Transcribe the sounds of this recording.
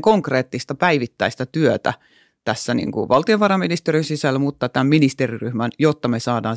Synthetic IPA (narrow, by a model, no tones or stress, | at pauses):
ŋkoŋkreːt̪ːist̪ɑpæiʋit̪ːæist̪ɑt̪yøt̪æ̰ | t̪æsːænḭŋkṵʋʔɑlt̪ioʋɑrɑminist̪erinsisælːmut̪ːɑt̪æmminist̪eriryhmænjot̪ːɑmesɑːdɑː